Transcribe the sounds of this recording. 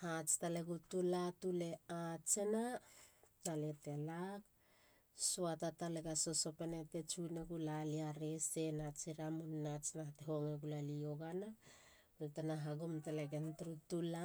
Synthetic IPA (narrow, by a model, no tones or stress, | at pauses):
hat͡ʃtaleɡutulatuleat͡ʃena | taletelak̚ | suatataleɡaso̞so̞penete̞t͡ʃuneɡulaliaɾesenat͡ʃiɾamunnat͡ʃnaateɦoŋeɡulalioɡana | ultanaɦaɡumtaleɡentɾutula